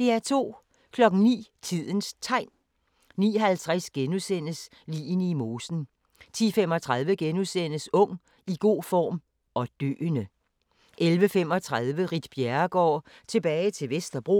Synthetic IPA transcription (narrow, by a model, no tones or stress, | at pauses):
d̥e̝æɐt͡sʰo̝̰ː | kʰlɒ̽ɡ̥n̩nḭːt͡sʰið̞̰ˠənst͡sʰɑ̈ɪ̰n | nḭːɦælt͡sʰʁɛsɡ̥enusen̰əs | lḭːnimoːsn̩ | t͡sʰḭːfem̰ɒ̽t͡sʰʁɑ̈ð̞ˠʋəɡ̥enusen̰əsɔ̽ŋ̰ | iɡ̥o̝̰ːfɒ̰ːm | ʔɒ̽d̥ø̰ːnə | ʔelʋəfem̰ɒ̽t͡sʰʁaðˠʋəʁid̥b̥jæɐɡ̥ɒ̰ː | t͡sʰe̝b̥ɛːɪt͡sʰe̝lʋesd̥ɐb̥ʁo̝